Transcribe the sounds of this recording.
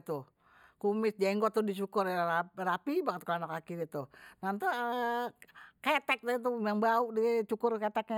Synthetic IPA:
t̪u | kumɪs̚d͡ʒaiŋɡɔt̪ːuhdis̬ukʊrarapibaŋət̪̚kalanakakidit̪unant̪u | kɛt̪ɛk̚t̪ait̪̬uaŋbauʔdit͡ʃukʊrkɛt̪ɛk̚

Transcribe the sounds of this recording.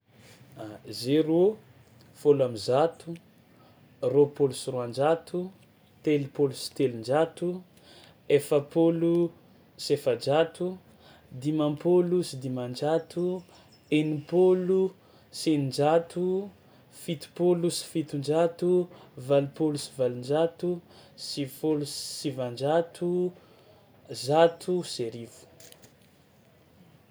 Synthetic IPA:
zeɾo | folamizat̪u | ropolusiroand͡ʒat̪u | t̪elipolusi̥t̪elind͡ʒat̪u | efəpolu | sefad͡ʒat̪u | d̪imampolusid̪imand͡ʒat̪u | enupolu | senind͡ʒat̪u | fit̪u̥polusi̥fit̪und͡ʒat̪uvalupolusi̥valind͡ʒat̪usifolussivand͡ʒat̪ʰu | zat̪ʰuseɾivu̥

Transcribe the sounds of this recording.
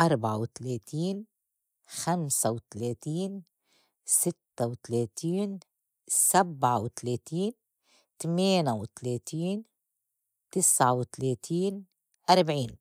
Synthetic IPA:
ʔɑɾˤbʕawt̪aleːt̪iːn | xamsawɪt̪aleːt̪iːn | sɪt̪ːawt̪aleːt̪iːn | sabʕawɪt̪aleːt̪iːn | t̪ameːnawɪt̪aleːt̪iːn | t̪ɪsʕawɪt̪aleːt̪ʰiːn | ʔaɾˤbʕiːn

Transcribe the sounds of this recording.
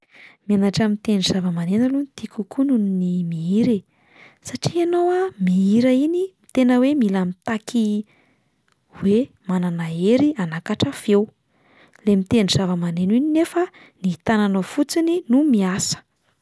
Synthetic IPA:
mianaʈ͡ʂamit̪eniz̥avəmanenəlunit̪ikukununnimiiɾe | saʈ͡ʂianowamiiɾəinimit̪enəwemilamit̪akʰi | we | mananaeɾianakaʈ͡ʂəfew | lemit̪eniz̥avəmanenininefə | niit̪ananofut͡sininumiasə̥

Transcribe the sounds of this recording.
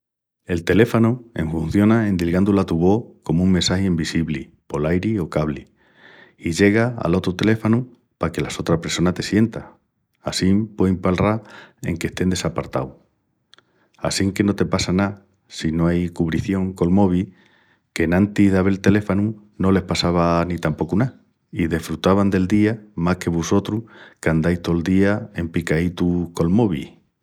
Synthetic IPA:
e̞lt̪e̞le̞fanue̞̰ɱfũn̟θjo̞nae̞nd̪ilɣand̪ulat̪uβo̞ko̞muŋmensahiimbisiβli | po̞lajɾio̞kaβli | iʝe̞ɣ̞aa̰lo̞t̪ɾut̪e̞le̞fanu | pake̞laso̞t̪ɾape̞ɾso̞nat̪e̞sje̞nt̪a | asimpweimpalrae̞̰ŋke̞st̪e̞nd̪esapaɾt̪a̰w | a̰siŋke̞no̞t̪e̞pasana | sino̞ajkuβɾiθjo̞ŋko̞lmo̞β̞i | ke̞nãnt̪iðaβe̞lt̪e̞le̞fanu | no̞le̞hpasaβanit̪ampo̞kuna | iðe̞fɾut̪aβand̪e̞ld̪iamahke̞βuso̞t̪ɾukand̪ajst̪o̞eld̪iae̞mpikait̪uko̞lmo̞βi

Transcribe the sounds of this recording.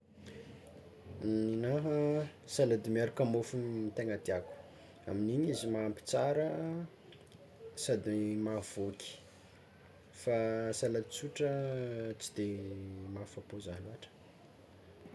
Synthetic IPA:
ninaɦəsalad̪imaɾukamofuit̪eŋəd̪iaku̥ | a̰miniɲizimampi̥t͡saɾə | sad̪imav̥okʲi̥ | fasalad̪i̥t͡suʈ͡ʂət͡si̥d̪̥emafapozaluaʈ͡ʂə̥

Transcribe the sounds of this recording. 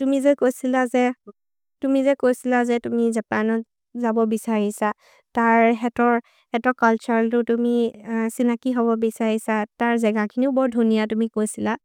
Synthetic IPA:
tumizɛkojsilazɛ | tumizɛkojsilazɛtumizapanɔt | zabɔbisaɹisa | taɹɦɛtɔɹ | hɛtɔɹkalt͡ʃɔɹltʊtumisinakiɦɔbɔbisaɹisataɹzɛɡakʰiniʊbɔɹdʱunijatumikojsila

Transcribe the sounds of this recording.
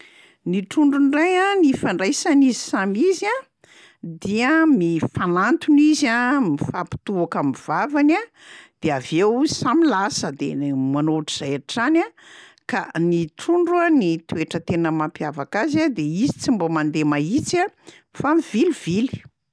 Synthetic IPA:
niʈ͡ʂuɳɖ͡ʐunrajanifaɳɖ͡ʐajsanizi̥samiza | d̪iəmifanant̪unizamifapi̥t̪uakamiv̥avana | d̪̥eavewuzsamilasəd̪ḛmanoʈ͡ʂiz̥ajaʈ͡ʂana | kaniʈ͡ʂuɳɖ͡ʐuanit̪ueʈ͡ʂət̪enəmampiavakazad̪eizit͡simbomand̪emait͡sa | famiv̥iliv̥ili̥

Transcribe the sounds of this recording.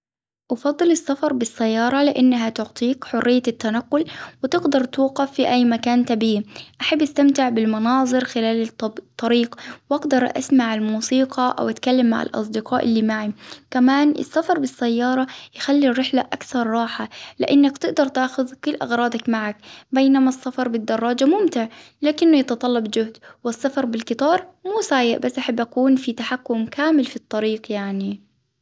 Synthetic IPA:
ʔɑfɑd̪ˤːɨlɪsːafɑɾˤbɪsːajːɑːɾˤɑlɪʔanːaɦat̪ʊʕt̪ˤiːkħʊrːɪjːat̪ːanaqːʊlwɪt̪ɪɡd̪ɑɾˤt̪uːqɑfːiʔajːmakaːnt̪abiːʔaħabːʔast̪amt̪ɪʕbɪlmɑnɑːðˤɨɾxɪlaːlt̪ˤːɑɾiːqwʔaɡd̪ɑɾˤʔa̰smaʕalmuːsiːqɑʔa̰wʔat̪kalːamːa̰ʕa̰lʔɑ̰s̬ˤd̪ɪqɑːʔɪlːimaʕikamaːnʔɪ̰sːafɑɾˤbɪsːajːɑːɾˤɑjxalːirːɪħlaʔakθɑɾˤːɑːħalɪ̰ʔɪnːakt̪ɪɡd̪ɑɾˤt̪aːxʊðkʊlːʔɑɣɾˤɑːd̪ɑkmaʕak̚bejnamasːafɑɾˤbɪd̪ːɑrˤːɑːd͡ʒamʊmt̪ɪʕ | laːkɪnːʊjɑt̪ɑt̪ˤɑlːɑbd͡ʒʊhd̪wɪsːafɑɾˤbɪlkɨt̪ˤɑːɾˤmuːsaːjɪʔbasːʔaħabːʔakuːnfit̪aħakːʊmkaːmɪlfit̪ˤːɑɾiːqjaʕni

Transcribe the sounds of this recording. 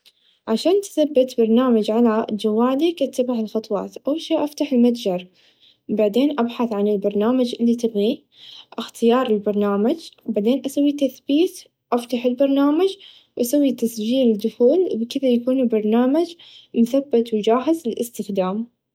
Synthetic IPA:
ʕaʃaːnt̪θabːɪt̪bɑɾˤnaːmad͡ʒʕalad͡ʒawːaːd̪ikʔat̪ːabaʕɪlxɑt̪ˤwɑ̰ːt̪ʔawʃaːʔaft̪aħɪlmat̪d͡ʒɑɾˤ | baʕd̪eːnʔabħaθʕanɪlbɑɾˤnaːmad͡ʒʔɪlːit̪ɪɣi | ʔɪxt̪ɪjɑːɾˤɪlbɑɾˤnaːmad͡ʒwbaʕd̪eːnʔasawːit̪aθbiːt̪ | ʔaft̪aħɪlbɑɾˤnaːmad͡ʒ | wʔasawːit̪asd͡ʒiːlɪd̪ʊxuːlbkɪðajakuːnbɑɾˤnaːmad͡ʒmʊθabːɪt̪wd͡ʒaːħɪzɪlɪst̪ɪxd̪aːm

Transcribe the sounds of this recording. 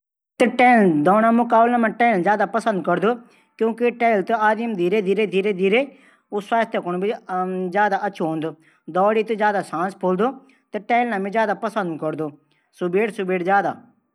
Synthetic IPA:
t̪eːʈɛːld̪ɔːñaːmʊkaːblãːmãːʈɛːlzjaːd̪aːpəsə̃nd̪kəɾd̪oː | kjõːkɪʈɛːlt̪oaːd̪imd̪ʱiːɾeːd̪ʱiːɾeːd̪ʱiːɾeːd̪iːɾeː | ʊswaːst̪ʰəkʊñːbizjaːd̪aːʔətːʃʰoɦõːnd̪oː | d̪ɔːɽiːt̪ezjaːd̪aːsãːspʰoːld̪oː | t̪eʈɛːlnãːmẽzjaːd̪aːpəsə̃nd̪kəɾd̪oː | sʊbeːɽsʊbeːɽzjaːd̪a̰ː

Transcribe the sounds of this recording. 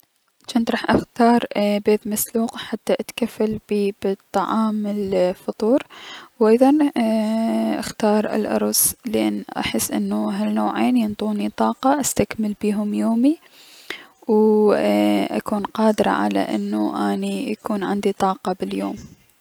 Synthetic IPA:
t͡ʃant̪ɾˤɑːħʔaxt̪ɑːɾˤbeːt̪masluːqħat̪ːaʔat̪kafːalbiːbɪt̪ˤːɑʕɑːmːɪlfɑt̪ˤuːɾwʔɑjðˤɑn | ʔa̰xt̪ɑːɾˤɪ̰lʔɑ̰ɾˤʊslʔɪ̰nːʔa̰ħəsːʔɪ̰nːuɦalnoːʕeːnjɪnt̪ˤuːnit̪ˤɑːqɑʔast̪akmalbiːɦʊmjoːmi | w | ʔa̰kuːnqɑːd̪ɪɾˤɑ̰ʕa̰la̰ʔɪ̰nːuʔaːnijakuːnʕɪnd̪it̪ˤɑːqɑbɪljoːm

